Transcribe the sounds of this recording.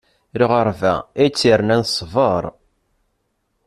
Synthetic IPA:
liʁəɾvæit͡sːiɾnænsˤvəɾˤ

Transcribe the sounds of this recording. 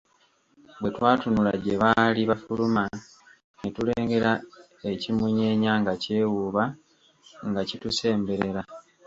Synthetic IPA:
bwe̞twaːtunula̰ɟe̞βaliβafuluma | netule̞ːŋɡe̞ɾa | e̞cimuɲe̞ːɲaŋɡace̞ːwuβa | ŋɡacituse̞ːmbe̞ɾe̞ɾa

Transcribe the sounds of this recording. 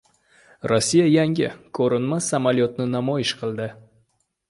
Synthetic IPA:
ɾosːijajaŋʲɪ̰kʰɵɾɪnmasamalijɒt̪nɪnamɒjɪʃqʰɨlˠd̪ɪ

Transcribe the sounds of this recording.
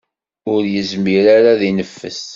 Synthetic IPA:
ʊɾjəzmiɾaɾaðinəfːə̰s

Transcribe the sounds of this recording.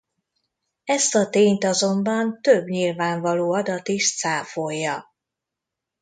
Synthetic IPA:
ɛst̪ɒt̪eːɲt̪ɒzo̞mbɒnt̪øbɲilvaːɱvɒloːɒd̪ɒt̪iʃt̪saːfojːɒ

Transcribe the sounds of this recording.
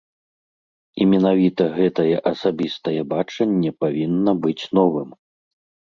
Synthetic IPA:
imʲɛnavʲit̪ɐɣɛt̪ɐjɛʔɐsabʲist̪ɐjɛbat͡ʂɐnʲːɛpavʲinːɐbɨt͡sʲnɔvɨm

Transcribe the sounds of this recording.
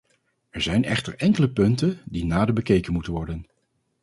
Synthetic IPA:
ɛɹzɛjnɛ̰χtəɹɛŋkələpɵntəndinaːdəbəkejkənmutənʋɔɹdən

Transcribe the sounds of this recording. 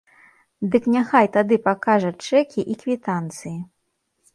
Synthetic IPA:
d̪ɨknʲaxajt̪ad̪ɨpakaʐɐt͡ʂɛkʲiʔikvʲit̪ant̪sɨji

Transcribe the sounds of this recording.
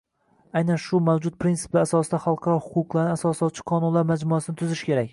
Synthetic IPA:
ajnanʃʊmawd͡ʒʊt̪̚pʰɾintsɪ̥plaɾasɒsd̪aχɑlˠqʰɑɾɒhʊqʊqlˠaɾnɪasɒsɒst͡ʃʰɪ̥qʰɒnʊnlaɾmad͡ʒmʊasɪnɪt̪ʰʊzɪʃkʲʰe̞ɾak̚ʲ

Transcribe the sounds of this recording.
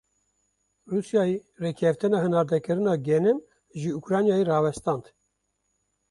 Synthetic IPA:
rusjɑːjirekʰɛft̪ɨnɑːhɨnɑːɾd̪ɛkɨɾɨnɑːɡɛnɛm | ʒɨukɾɑːnjɑːjirɑːvɛst̪ɑːnd̪

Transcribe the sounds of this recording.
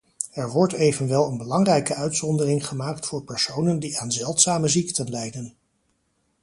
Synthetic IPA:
ɛɹʋɔɹtejvənʋɛlˠənbəlɑŋrɛjkəœɥtsɔndərɪŋχəmaːktfʊːɹpɛɹsownəndiaːnzɛlˠtsaːməziktənlɛjdən

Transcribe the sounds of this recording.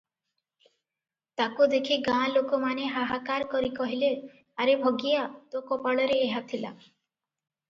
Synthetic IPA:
t̪akud̪ekʰiɡãlokɔmaneɦaɦakaɾkɔɾikɔɦile | aɾebʱɔɡijat̪okɔpaɭɔɾeːɦat̪ʰila̰

